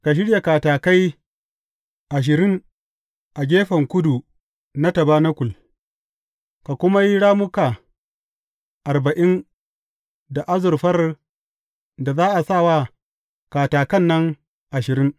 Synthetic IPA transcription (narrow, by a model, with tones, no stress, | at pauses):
ka˨ʃ̬ɪ˦ɽja˨kaː˨taː˨ka˦j | ʔa˨ʃ̬ɪ˨ɾɪ˦ŋ | ʔa˨ɡʲeː˦ɸɐ˨ŋkʷʊ˦du˨ | na˦tɐ˨baː˦na˦kʷʊ˨l | ka˨kʷʊ˦ma˦ji˦ɽaː˦mʊ˦ka˨ | ʔa˨rba˨ʔɪ˦n | da˨ʔa˦zʊ˨rɸɐ˦r | da˨zaː˦ʔa˨sa˦˨wa˦ | kaː˨taː˨kɐ˦˨nːɐ˦ŋ | ʔa˨ʃɪ˨ɾɪ˦ŋ